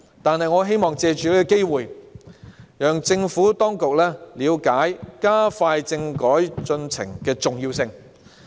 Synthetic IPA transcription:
t̪aː˨nɦɐ˨jŋɔː˨˧ɦe˥jmɔː˨ŋt͡sɛː˧t͡ʃyː˨leː˥kɔ˨˧ke˥jwuː˨j | jœː˨ŋt͡sɪ˧ŋfuː˨˥t̪ɔː˥ŋkʊ˨k̚lɛː˥liː˨˧wkaː˨˥jkaː˥faː˧jt͡sɪ˧ŋkɔː˨˥jt͡sɵ˧nt͡sʰɪ̰˨˩ŋkɛː˧t͡sʊ˨ŋjiː˧wsɪ˧ŋ

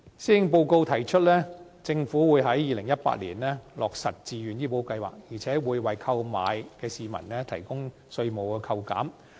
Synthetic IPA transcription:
siː˥ɪ˧ŋp̬o˧wko˧wt̪ʰɐ˨˩jt͡ʃʰɵ˥t̚lɛː˥ | t͡sɪ˧ŋfuː˨˥wuː˨˧jɦɐ˨˥jːiː˨˧lɪ˨˩ŋjɐ˥t̚pa̰ː˧t̚lḭː˨˩nlɛː˥lɔː˨k̚sɐ˨t̚t͡siː˨jyː˨njiː˥po˨˥wkɐ˧jwa̰ː˨k̚jiː˨˩t͡sʰɛː˨˥wuː˨˧jwɐ˨jkʰɐ˧wma̰ː˨˧jkɛː˧siː˨mɐ˨˩nlɛː˥t̪ʰɐ˨˩jkʊ˥ŋ | sɵ˧ɥmo˨wkɛ˧kʰɐ˧wka̰ː˨˥m

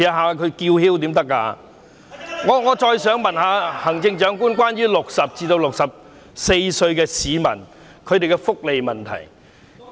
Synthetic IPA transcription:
jɐ˨ɦaː˨˧kʰɵ˨˧ɥkiː˧whiː˥wt̪̬iː˨˥mt̪ɐ˥kːa̰ː˧ | ŋɔː˨˧ŋɔː˨˧t͡ʃɔː˧jsœː˨˥ŋmɐ˨nhaː˨˧hɐ˨˩ŋt͡sɪ˧ŋt͡ʃœː˨˥ŋkuː˥nkwaː˥nɥyː˥lʊ˨k̚sɐ˨p̚t͡siː˧t̪o˧wlʊ˨k̚sɐ˨p̚ | se˧jsɵ˧ɥkɛː˧siː˨˧mɐ̰˨˩n | kʰɵ˨˧ɥt̪e˨jkɛ˧fʊ˥k̚le˨jmɐ˨nt̪ʰɐ̰˨˩j

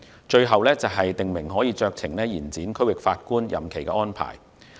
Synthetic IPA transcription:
t͡ʃɵ˧ɥɦɐ˨wlɛː˥t͡sɐ˨wɦɐ˨jt̪ɪ˨ŋmɪ˨˩ŋɦɔː˨˥jiː˨˧t͡ʃœː˧k̚t͡sʰɪ˨˩ŋlɛː˥jiː˨˩nt͡siː˨˥nkʰɵ˥wɪ˨˩k̚faː˧t̚kuː˥njɐ̰˨mkʰe˨˩jkɛ̰˧˥ɔː˥npʰa̰ː˨˩j

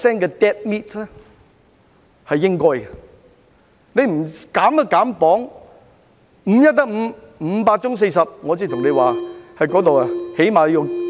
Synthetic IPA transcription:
sɛː˥ŋkɛː˧t̪ɛ˥t̚miː˥tlɛ˥ | hɐ˨jːɪ˥ŋkɔː˥jɡɐ˨ | ne˨˧jm̩˨˩kaː˨˥mt̪ɐ˥kaː˨˥mpɔː˨˥ŋ | m̩˨˧˥jɐ˥t̚t̪ːɐ˥k̚m̩ː˨˧ | m̩˨˧paː˧t̚t͡ʃʊ˥ŋs̬e˧jsɐ˨p̚ŋɔː˨˧t͡siː˧t̪ʰʊ˨˩ŋne˨˧jwaː˨hɐ˨˧jkɔː˨˥t̪̬o˨wɐ˨˩he˨˥jmaː˨ljʊ˨˩

